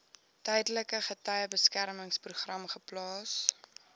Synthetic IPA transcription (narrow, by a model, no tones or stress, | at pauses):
tɛjdələkəχətɐjəbəskærməŋspruχrɐmχəplɑːs